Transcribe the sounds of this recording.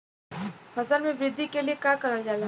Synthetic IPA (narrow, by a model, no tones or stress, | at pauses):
fɐzəlmẽʋɾɪd̪ʱːikeliekakɐɾad͡ʒaːla